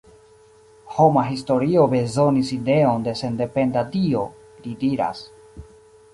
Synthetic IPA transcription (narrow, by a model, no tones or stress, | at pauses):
ho̞maɦisto̞ɾio̞be̞zonisid̪e̞ond̪e̞se̞nd̪e̞pe̞nd̪adio̞ | lid̪iɾa̰s